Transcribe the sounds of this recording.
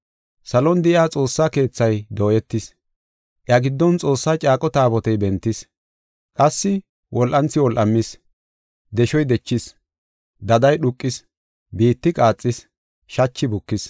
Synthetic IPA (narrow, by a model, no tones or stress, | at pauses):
sɐlɔnd̪ɪʔjaːt͡sʼo̞ːsːake̞ːt͡sːɐjd̪oːjɛt̪ːɪs | ʔɪɐɡɪd̪ːɔnt͡sʼo̞ːsːaːt͡ʃʼaːkʼɔt̪aːbɔt̪ɛjbɛnt̪ːɪs | kʼɐsːɪ | wʔɔlʔɐnt͡sːɪwɔlʔɐmːɪs | d̪ɛʃɔjd̪ɛt͡ʃːɪs | d̪ɐd̪ɐjɗʊkʼːɪs | biːt̪ːɪkʼaːt͡sʼːɪs | ʃɐt͡ʃːɪbʊkːɪs